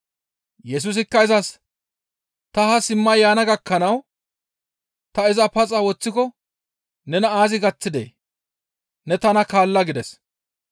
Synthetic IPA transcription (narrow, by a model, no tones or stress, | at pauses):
jɛs̬ʊs̬ɪkːɐɪzɐs | t̪ɐɐsɪmːɐjaːnɐɡɐkːɐnɐw | t̪ɐɪzɐpɐt͡sʼɐwɔt͡sːɪkɔ | nɛnɐaːzɪɡɐt͡sːɪd̪ḛː | nɛt̪ɐnɐkaːlːɐɡɪd̪ɛs